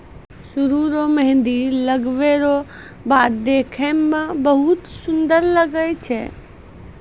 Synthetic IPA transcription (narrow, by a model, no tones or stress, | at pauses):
sʊɾuɾoməɦɪ̃nd̪iləɡʋeɾo | baːt̪̚d̪ekʰəmmẽbəɦʊt̪sʊnd̪əɾləɡəjt͡ʃʰɛ̰